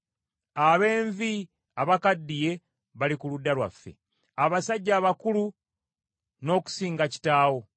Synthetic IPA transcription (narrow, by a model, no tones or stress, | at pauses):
aβe̞ːɱvi | aβakadːije̞ | βalikuludːalwa̰fːe̞̰ | aβasaɟːaːβakulu | no̞ːku̥siːŋɡaci̥taːwo̞